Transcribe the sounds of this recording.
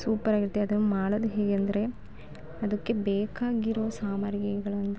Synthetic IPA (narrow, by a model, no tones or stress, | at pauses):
suːpɐɾaːɡiɾt̪ːeɐd̪ɐnːumaːɽɐd̪uɦeːɡeɐnd̪ɐɾe̞ | ɐd̪ɐkːe̞beːkaːɡiɾoːsaːmɐɾjɐɡɐɭɐnd̪ɐ